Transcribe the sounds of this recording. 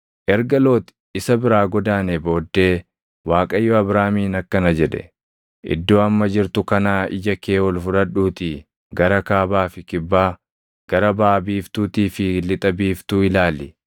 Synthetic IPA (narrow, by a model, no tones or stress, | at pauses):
ʔɛɾɡɐlo̞ːt̪ɪ̥ | ɪsɐbɪɾaːɡɔd̪aːnebo̞ːd̪ːe̞ː | waːkʼɐjːɔɐbɾaːmiːnɐkːɐnɐd͡ʒɛᶑɛ̰ | ʔɪ̰d̪ːoːɐmːɐd͡ʒɪɾt̪ʊkɐnaːɪ̰d͡ʒɐkeːwɔlfʊᶑɐᶑuːt̪iː | ɡɐɾɐkaːbaːfɪkɪbːaː | ɡ̥ɐɾɐbaːbiːft̪uːt̪iːfɪlɪt̪ʼɐbiːft̪uːɪlaːlɪ